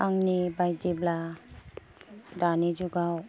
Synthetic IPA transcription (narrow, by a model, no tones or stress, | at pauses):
aŋnibajdibla | danid͡ʒuɡaw